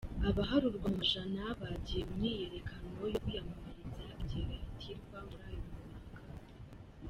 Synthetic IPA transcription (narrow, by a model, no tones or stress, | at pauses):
aβaɦaɾuɾɡwaumaʒanaβaɟiɾemumiːje̞ɾekʰano̞jokujamamaɾiziakteɾeɾitʰiɾɡwamuɾajomunakḁ